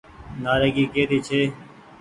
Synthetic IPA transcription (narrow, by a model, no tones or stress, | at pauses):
naːɾeːɡiːkeːt̪iːt͡ʃʰeː